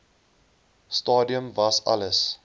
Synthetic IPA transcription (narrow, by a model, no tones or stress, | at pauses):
stɑːdiəmvɐsɐ̰ləs